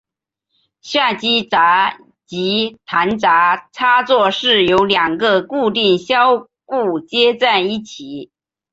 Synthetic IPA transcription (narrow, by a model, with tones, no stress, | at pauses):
ɕja˥˩t͡ɕi˥t͡sa˧˥ | t͡ɕi˧˥t̪ʰa˧˥nt͡sa˧˥ʈ͡ʂʰa˥t͡swɔ˥˧ʂɻ̩˥˩jo˧˥ʊljɑ˨˩ŋɡə˧ku˥˧t̪i˥˩ŋɕjɑ˥ʊ | ku˥˩t͡ɕjɛ˥t͡sa˥˧ɪi˥˩t͡ɕʰi˨˩˦